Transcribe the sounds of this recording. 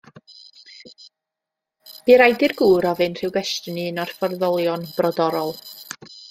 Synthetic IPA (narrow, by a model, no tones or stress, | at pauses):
b̥iɾajdɨrɡuːɾɔvɨnr̥ɨwɡwɛstənɨːnɔrfɔrðɔlˠjɔnb̥rɔdɔɾɔlˠ